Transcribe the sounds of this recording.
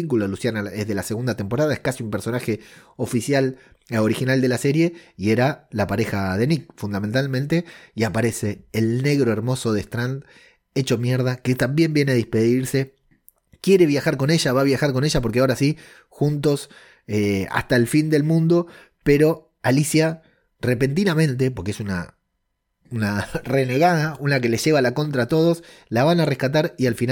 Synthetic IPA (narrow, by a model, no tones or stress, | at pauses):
iŋkuloðlusjanaezðe̞lase̞ɣund̪at̪e̞mpo̞ɾaðaehkasiumpe̞ɾso̞naxe̞o̞fisjal | o̞ɾixinald̪e̞lase̞ɾje̞ie̞ɾalapaɾe̞xað̞e̞nik̚fund̪amẽnt̪almẽnt̪e̞iapaɾe̞se̞ːlne̞ɣɾo̞eɾmo̞so̞ðest̪ɾand̪ | e̞t͡ʃo̞mjeɾðaket̪ambje̞mbjeneaðihpe̞ðiɾse̞ | kje̞ɾe̞βjaxaɾko̞ne̞ʒaβaβjaxaɾko̞ne̞ʒapoɾkeao̞ɾasi | xunt̪o̞s | ea̰st̪aelfind̪e̞lmũnd̪o̞ | pe̞ɾo̞ | alisja | re̞pe̞nt̪̬inamẽ̞nt̪̬e̞p̬o̞ɾkeesuna̰ | unare̞ne̞ɣað̞aunak̬e̞le̞ʒe̞βalako̞nt̪ɾat̪o̞ð̞o̞slaβanare̞hkat̪̬aɾialfin